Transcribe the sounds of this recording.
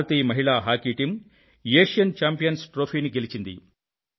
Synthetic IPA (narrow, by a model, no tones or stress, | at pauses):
ɐt̪iːmɐɦiɭaːɦaːkiːʈim | jeːʂjɐnt͡ʃaːmpijɐnsʈɾoːpʰeːniɡe̞lit͡ʃind̪ḭ